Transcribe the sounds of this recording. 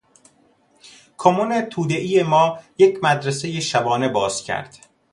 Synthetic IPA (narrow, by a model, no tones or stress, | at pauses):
kʰomonet̪ʰuːd̪e̞ʔijemɒːje̞cʰmæd̪ɾese̞jeʃæbɒːne̞bɒːz̥cʰæ̰ɾd̪̥